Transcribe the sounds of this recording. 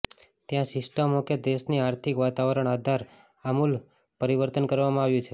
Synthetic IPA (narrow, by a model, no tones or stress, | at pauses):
t̪jãsɪsʈəmoked̪eʃniaɾt̪ʰikʋat̪aʋəɾəɳ̃ad̪ʱaɾ | amul | pəɾiʋəɾt̪ənkəɾʋamãaʋjũt͡ʃʰe